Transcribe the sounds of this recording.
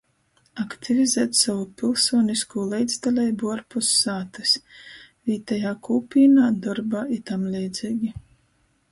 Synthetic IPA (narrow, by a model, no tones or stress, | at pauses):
akt̪ʰivʲizɛːt̪savupʲilˠsuɔniskuːlˠɛjd̪zd̪alʲɛjbuaɾpusːaːt̪ɨsviːt̪ajaːkuːpʲiːnaːd̪ɔɾbaːit̪amlʲɛjd̪ziːɡʲi